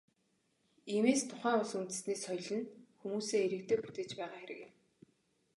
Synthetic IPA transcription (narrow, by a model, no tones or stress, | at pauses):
iːmeːst̪ʰʊχæːŋʊɮsunt̪ɘ̆sneːsχɔjɮə̆nxumuːseːeɾɘ̆k̚t̪ʰeːput̪eːt͡ɕpæːʁaːxeɾɘ̰̆kɪ̆m